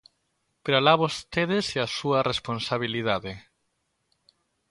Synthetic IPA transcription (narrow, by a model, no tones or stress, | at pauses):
peɾalaβost̪eðeseasuɐresponsaβ̞iliðaðe